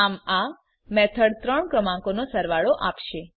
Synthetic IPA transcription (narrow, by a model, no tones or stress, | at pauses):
ama | mɛt̪ʰəɽt̪ɾəɳkɾəmãkonosəɾʋaɭoʔapʃe